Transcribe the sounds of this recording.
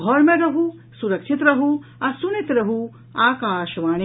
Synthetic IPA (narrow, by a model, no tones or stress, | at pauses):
ɦɔɾmeɾɐɦu | suɾɐkʃʰit̪ɾɐɦuɐsunit̪ɾɐɦu | aːkaːʃɐʋaːn